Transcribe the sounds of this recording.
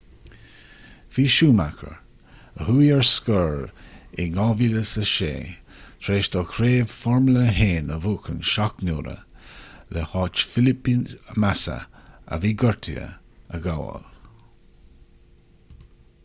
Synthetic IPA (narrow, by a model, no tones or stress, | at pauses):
fiːʃuːmakʰə̰ɹ | əhuːjɛɹskəɹɪŋɔːviləsəʃḛː | t̪ʰɾeːʃd̪ɔkʰɾeːvfɔɹmləɦeːnəvuːkʰənʃaknuːɾə̰ləhɑːt͡ʃfɪlɪpinmasə̰ə̰viːɡəɹt̪ʰiə̰ | əɡawə̰l